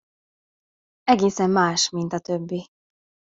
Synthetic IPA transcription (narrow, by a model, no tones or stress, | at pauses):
ɛɡeːsɛmːaːʃmint̪ɒt̪øbːi